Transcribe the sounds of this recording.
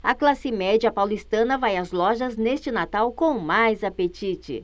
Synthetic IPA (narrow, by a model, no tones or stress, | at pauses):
ɐklasɪmɛd͡ʒɐpawlist̪ɐ̃nɐvajɐzlɔʒɐznest͡ʃɪnat̪awkõw̃majzapet͡ʃit͡ʃɪ̰